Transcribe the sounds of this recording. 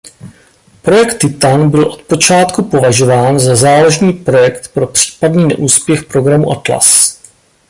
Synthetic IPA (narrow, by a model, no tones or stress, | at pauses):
pɾo̞jɛkt̪ːɪt̪anbɪlʔo̞t̪po̞t͡ʃaːt̪kupo̞vaʒo̞vaːnzazaːloʒniːpɾo̞jɛkt̪pɾo̞pr̝̥i̥ːpadniːnɛ̰ʔuːspjɛxpɾo̞ɡɾamuʔat̪la̰s